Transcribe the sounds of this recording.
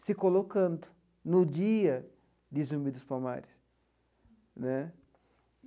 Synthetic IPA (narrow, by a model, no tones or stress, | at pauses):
sɪkolokɐ̃nd̪ʊ | nʊd͡ʒiɐ | d̪ɪzũmbid̪ʊspama̰ɾɪs | nɛ